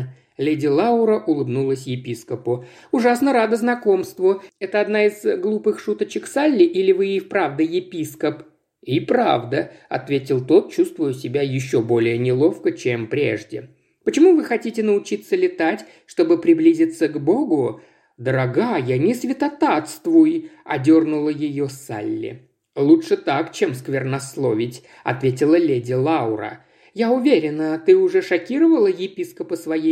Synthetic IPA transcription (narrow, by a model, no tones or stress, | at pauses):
lʲedʲɪlˠaʊɾəʔʊlˠɨbnulˠəsʲjɪpʲiskəpʊ | ʊʐasnəɾad̪əznɐko̞mst̪vʊɛt̪əɐd̪naɪz̥ɡlˠupɨxʂut̪ət͡ɕɪkfsalʲːɪʔilʲɪvɨifpɾavd̪əjɪpʲiskəp | ipɾa̰vd̪əɐ̰t̪vʲetʲɪlˠt̪o̞t̪̚t͡ɕust̪vʊjʊsʲɪbʲajɪɕːo̞bo̞lʲɪjənʲɪlˠo̞fkət͡ɕempɾʲe̞̰ʐdʲɪ | pət͡ɕɪmuvɨxɐtʲitʲɪnəʊt͡ɕit̪səlʲɪt̪atʲ | ʂt̪o̞bɨpɾʲɪblʲizʲɪt̪səɡbo̞ɡʊ | d̪əɾɐɡajanʲɪsvʲɪt̪ɐt̪at̪st̪vʊjɐ̰dʲo̞rnʊlˠəjɪjo̞sa̰lʲːɪ̰ | lˠuʂɨt̪akt͡ɕemskvʲɪrnɐslˠo̞vʲɪtʲ | ɐ̰t̪vʲet̬ʲɪlˠəlʲedʲɪlˠaʊɾə̰ | jaʊvʲeɾʲɪnət̪ɨʊʐɛʂɐkʲiɾəvəlˠəjɪpʲiskəpəsvɐji